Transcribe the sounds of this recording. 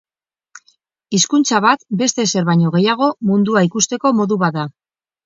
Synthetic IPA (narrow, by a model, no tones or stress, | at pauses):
iskunt͡saβat̪be̞st̪e̞se̞ɾβajɲo̞ɣ̞e̞jaɣ̞o̞mund̪uaikust̪e̞ko̞mo̞ðuβat̪d̪a